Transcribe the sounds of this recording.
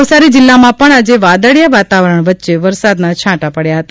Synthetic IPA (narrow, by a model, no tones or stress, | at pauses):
ʋsaɾid͡ʒɪlːamãpəɳad͡ʒeʋad̪əɽjaʋat̪aʋəɾəɳʋətːʃeʋəɾsad̪nat͡ʃʰãʈapəɽjaɦət̪a